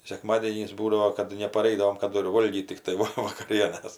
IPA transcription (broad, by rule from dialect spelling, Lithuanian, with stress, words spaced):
sʲɛˈkmɑːdʲiɛnʲiːs ˈbuːdɐʋoː kɐt nʲɛpɐˈrɐɪdɐʋoːm kɐˈdʊ ɪr ˈʋoːlʲɡʲiːt tʲɪkˈtɐɪ ˈʋɐ ʋɐkɐˈrʲiɛnɐs